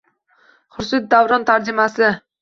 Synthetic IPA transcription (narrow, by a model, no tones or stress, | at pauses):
χʊɾsɪt̪̚d̪avɾɒnt̪ʰaɾd͡ʒɪmasɪ